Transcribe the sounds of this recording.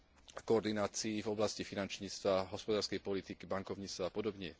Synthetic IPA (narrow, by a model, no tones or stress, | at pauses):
akɔːɾd̪inaːt͡siːvɔblascifinant͡ʃɲiːt͡st̪ʋaɦɔspɔd̪aːɾskɛjpɔlit̪ikibaŋkɔʊɲit͡st̪ʋaːpɔd̪ɔbɲɪɛ